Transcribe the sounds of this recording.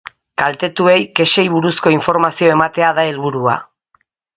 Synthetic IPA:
kalt̪e̞t̪ue̞jke̞ʃe̞jβuɾusko̞iɱfo̞ɾmasio̞e̞mat̪e̞aðae̞lβuɾua̰

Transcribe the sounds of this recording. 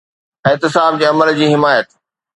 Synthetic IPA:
ɪɦt̪ɪsaːb̚d͡ʑeːɐməld͡ʑiːɦɪmaːjət̪

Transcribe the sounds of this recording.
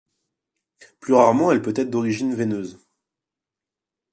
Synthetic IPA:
plyʁaʁmɑ̃ɛlpøt̪ɛt̪χd̪ɔʁiʒinvenøz

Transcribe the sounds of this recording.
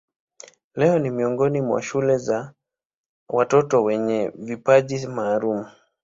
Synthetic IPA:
lɛɔnimiɔŋɡɔnimwa̰ʃulɛza | watɔtɔwɛɲɛvipaʄimaːɾumu

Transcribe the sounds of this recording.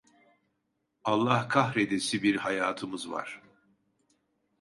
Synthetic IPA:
alˠːahkʰahɾed̪esibiɾhajaːt̪ʰɯmɯzva̰ɾ̥

